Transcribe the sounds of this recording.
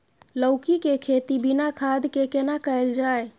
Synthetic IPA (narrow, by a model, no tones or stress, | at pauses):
ləʊkikekʰet̪ibinakʰad̪ʱkekenakəeld͡ʒae